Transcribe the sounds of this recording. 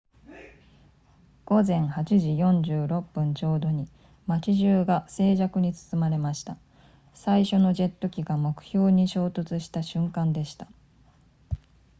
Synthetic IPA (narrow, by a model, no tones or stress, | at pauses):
ɡ̥o̞zẽ̞ɰ̃hat͡ɕiʑijõ̞ɲd͡ʑɨːɾo̞pːɯ̟̃ɲ̟t͡ɕo̞ːd̪o̞ɲ̟i | mat͡ɕiʑɨːɡase̞ːʑakɯ̟ɲ̟it͡sɨ̥t͡sɨmaɾe̞maɕi̥t̪a | saiɕo̞no̞d͡ʑe̞t̪ːo̞kʲiɡamo̞kɯ̟̥ço̞ːɲ̟iɕo̞ːt̪ot͡sɨɕi̥t̪aɕɨ̃ŋkãnd̪e̞ɕi̥t̪a